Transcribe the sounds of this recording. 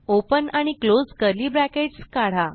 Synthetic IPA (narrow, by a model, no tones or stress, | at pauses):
opənaɽ̃iklod͡zkəɾliːbɾækeʈskaɽ̤a